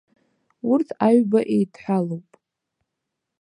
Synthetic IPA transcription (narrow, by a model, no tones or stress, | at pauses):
urtʰaɥbaʔejdʰħʷalowpʼ